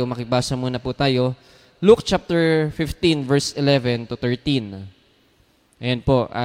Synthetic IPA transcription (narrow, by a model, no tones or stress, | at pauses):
omɐkɪbaːsɐmuːnɐpuːt̪aːjo̞ | luk̚t͡ʃap̚t̪ɛɹfɪft̪invɛɹsɪlɛvɛnt̪ʊt̪ɛɹt̪in | ʔɐjonpoʔa̰